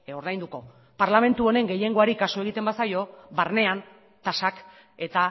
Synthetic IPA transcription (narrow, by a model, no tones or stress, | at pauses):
o̞ɾðajnd̪uko̞ | paɾlame̞nt̪uo̞ne̞ŋɡe̞je̞ŋɡo̞aɾikasoe̞ɣ̞it̪e̞mbasajo̞βaɾne̞an | t̪asak | e̞t̪a